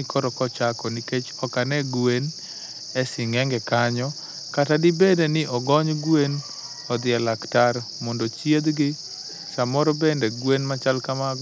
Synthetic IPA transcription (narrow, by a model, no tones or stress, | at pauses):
ɪkʰɔɾɔkɔt͡ʃakɔniket͡ʃɔkanɛɡwen | ɛsɪŋɛŋɡɛkaɲɔ | katadibedenɪʔɔɡɔɲɡwen | ɔd̪ɪɛlaktaɾ | mɔndot͡ʃjed̪ɡɪ | ʃamɔɾɔbendɛɡwenmat͡ʃalkama